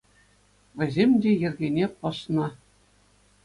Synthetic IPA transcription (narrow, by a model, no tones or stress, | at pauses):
ʋʲɘ̆zʲemʲdʲejɘ̆rʲɡʲenʲepɤ̆ʃnɤ̆